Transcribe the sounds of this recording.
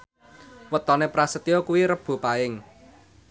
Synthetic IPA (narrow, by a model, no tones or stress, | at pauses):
wət̪ɔnepɾasət̪ijɔkuwiɾəb̥ṳpaɪŋ